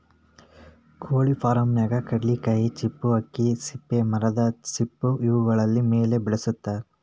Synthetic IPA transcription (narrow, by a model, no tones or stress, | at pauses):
kʰoːɭipʰaːɾɐmnɛɡɐkɐɖːikɐjit͡ʃipːuɐkːisipːemɐɾɐd̪ɐt͡ʃipːuiʋuɡɐɭɐlːimeːle̞bɛɭɐsut̪ːɐ